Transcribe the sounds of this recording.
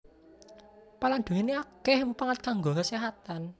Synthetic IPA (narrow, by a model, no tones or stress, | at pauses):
paland̥̪uŋineakɛhmpaŋat̪̚kaŋɡokəseɦat̪an